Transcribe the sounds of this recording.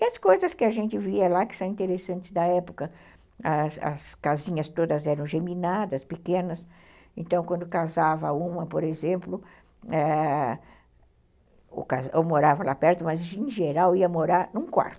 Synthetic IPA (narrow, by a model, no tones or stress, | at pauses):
ɪɐskojzɐskɪɐʒẽnt͡ʃ̪ɪviɐlakɪ̥sɐ̃w̃ĩnt̪eɾesɐ̃nt͡ʃ̪ɪzd̪ɐɛpʊkɐ | ɐsɐ̰skazĩɲɐst̪od̪ɐzɛɾɐ̃w̃ʒeminad̪ɐspɪkẽnɐs | ẽnt̪ɐ̃w̃kwɐ̃nd̪ʊkazavɐũmɐpoɾezẽmplʊ | ɛ | o̰kazomoɾavɐlapɛɾt̪ʊmɐzd͡ʒẽʒeɾawiɐmoɾaɾnũkwa̰ɾt̪ʊ̥